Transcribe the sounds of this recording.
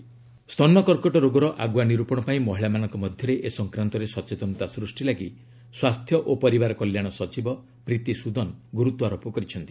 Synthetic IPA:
st̪ʰɔnːɔkɔɾkɔʈɔɾoɡɔɾɔʔaɡwaniɾupɔɽ̃ɔpaĩmɔɦiɭamanɔŋkɔmɔd̪ʱjɔɾeʔesɔŋkɾant̪ɔɾesɔt͡ʃet̪ɔnt̪asɾusʈilaɡi | swast̪ʰjɔʔopɔɾibaɾɔkɔljaɽ̃ɔsɔt͡ʃibɔ | pɾit̪isud̪ɔnɡuɾut̪ɔaɾopɔkɔɾit͡ʃʰɔnt̪i̥

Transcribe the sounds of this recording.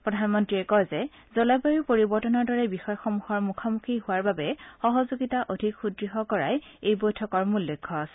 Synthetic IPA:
pɹɔdʱanmɔntɹiɛkɔjzɛ | zɔlabaɹipoɹibɔɹtɔnɔɹdɔɹɛbixɔjxɔmuxɔɹmukʰɔmukʰihʊwaɹbabɛxɔɦɔzoɡitaʔodʱikxudɹiɦɔkɔɹa̰j | ejbojtʰɔkɔɹmulːɔkʰːɔasɛ

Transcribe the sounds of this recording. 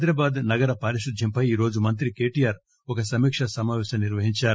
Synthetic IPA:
d̪ɾɐbaːd̪nɐɡɐɾɐpɐɾiʃud̪ʱjɐmpɐjiːɾo̞ːd͡ʒumɐnt̪̬ɾike̞ːʈijaːɾ | ɔkɐsɐmiːkʂɐsɐmaːʋɛːʃɐmniɾʋɐɦiɲt͡ʃaːɾu

